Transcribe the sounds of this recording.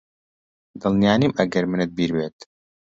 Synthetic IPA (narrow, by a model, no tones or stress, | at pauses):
d̪ɨlˠnijaːnimɐɡɐɾmɨnɨt̪̚biːɾbeːt̪